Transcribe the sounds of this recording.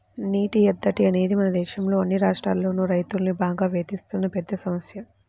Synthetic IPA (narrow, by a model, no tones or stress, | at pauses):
niːʈijɛd̪ːɐʈiɐne̞ːd̪imɐnɐd̪ɛːʃɐmlo̞ːɐnːiɾaːʂʈɾa̰ːlːo̞ːnuːɾɐjt̪ulnibaːɡaːʋeːt̪ist̪unːɐpɛd̪ːɐsɐmɐsjɐ